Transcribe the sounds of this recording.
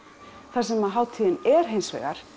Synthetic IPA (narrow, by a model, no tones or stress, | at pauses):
θasɛmaðɦaːwt̪ʰiːɪnɛɾ̥ɦejnsvɛ̰ːɣaɾ̥